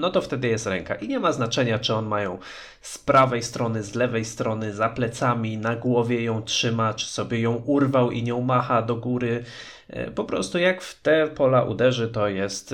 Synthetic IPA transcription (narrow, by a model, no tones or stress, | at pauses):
nɔt̪ɔft̪ɛd̪ɘjɛst̪ɾɛŋka̰ʔiɲɛmaznat͡ʂɛɲat͡ʂɨɔnmajɔ̃w̃ | spɾavɛjst̪ɾɔnɘzlɛvɛjst̪ɾɔnɘzaplɛt̪samʲinaɡwɔvʲjɛjɔ̃w̃tʂɘmat͡ʂɘ̥sɔbʲjɛjɔ̃w̃ʔuɾvawḭɲɔ̃wmaxad̪ɔɡuɾɘ̰ | pɔpɾɔ̰st̪ujakft̪ɛpɔlaʔṵd̪ɛʐɘt̪ɔjɛst̪